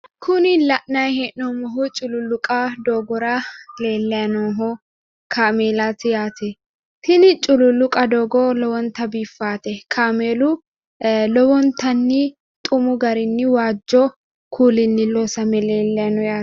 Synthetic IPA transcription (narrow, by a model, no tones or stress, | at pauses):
kʰʊnɪlɐʔnɐjheʔnɔmɔɦʊt͡ʃʼʊlʊlʊkʼɐd̪oːɡɔɾɐle̞ːlːɛjɐnoːɦɔ | kʰaːmeːlɐt̪ɪjaːt̪ʰɛ | t̪ɪnɪt͡ʃʼʊlʊlʊkʼɐd̪oːɡɔlɔwɔnt̪ɐbiːfːaːt̪ɛkʰaːmeːlʊ | lɔwɔnt̪ɐnːɪ | t̪ʼʊmʊɡɐɾɪnːɪwaːd͡ʒːɔ | kʰuːlɪnːɪloːsɐmɛleːlːɛjɐnɔjaː